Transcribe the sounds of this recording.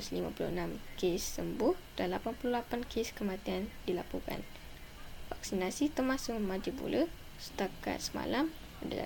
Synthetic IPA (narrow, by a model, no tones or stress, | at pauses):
uslimã̰pulṵənamkesːəmbʊhd̥anlapanpululapankʰeskəmãt̪iandilapuka̰n | fak̚sinasit̪ərmãsʊkmad͡ʒipṵlə | sə̥t̪aka̰t̪̚səma̰lam | ada̰a̰